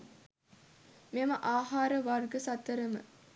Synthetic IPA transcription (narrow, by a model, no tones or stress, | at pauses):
meməʔaːɦaːɾəʋarɡəsat̪ːəɾəmə̰